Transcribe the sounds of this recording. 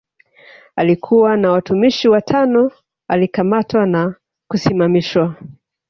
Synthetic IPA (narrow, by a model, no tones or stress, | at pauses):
alikʰuwanawatumiʃiwatʰanɔ | alikamatwana | kusimamiʃwa